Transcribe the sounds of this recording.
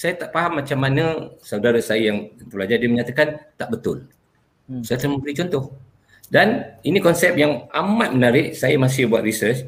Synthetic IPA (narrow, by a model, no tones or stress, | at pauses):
sajat̪aʔpaɦamːat͡ʃamːanə̃sawdaɾasajajaŋt̪əplad͡ʒardiəməɲat̪akant̪aʔbət̪ʊ̰l | sajat̪ənamə̃mbəɾit͡ʃɔnt̪ɔh | daninĩkɔnsɛp̚jaŋamat̪̚mənaɾɪʔsajamas̬ɪhbua̰t̪ɾisərt͡ʃ